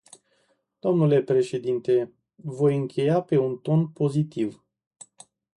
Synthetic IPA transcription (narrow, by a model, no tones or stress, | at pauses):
d̪̥o̞mnule̞pɾe̞ʃe̞d̪int̪e̞ | vo̞jɨŋkʲʰe̞jape̞unt̪o̞npo̞zit̪iv